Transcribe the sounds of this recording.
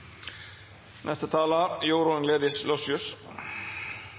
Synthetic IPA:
nɛst̪ət̪ʰɑːlaɾjuːɾunleːðɪslɔsjʊs

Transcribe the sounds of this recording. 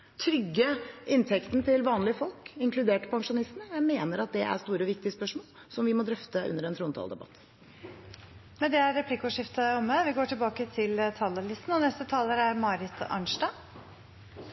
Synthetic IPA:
t̪ʰɾʏɡːəɪnt̪ʰɛkt̪nt̪ʰɪlʋɑːnlɪəfɔlkɪŋkʰlʉd̪eːʈə̥pʰɑŋʂʊnɪst̪nəæmeːnəɾɑt̪̚d̪ɛʔæ̰st̪uːɾəʋɪkt̪ɪəspœʂmoːl | sɔmʋɪmɔd̪ɾœft̪əʔʉ̰nːəɾɛnʰɾuːnt̪ʰɑ̰ld̪ɛ̰bɑ̰t̪ː | mɛnd̪ɛæɾːɛpʰlikʊʂɪft̪əɔmːəʋɪɡoːʈɪlbɑːkət̪ʰɪlt̪ʰɑːləlɪst̪n̩ɔnɛst̪ət̪ʰɑːləɾæɾmɑːɾɪt̪ʰɑ̰ɳʂɖɑː

